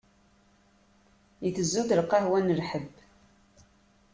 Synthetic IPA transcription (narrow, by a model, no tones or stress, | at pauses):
jiθəzːuθəlqːɑhwænəlħəb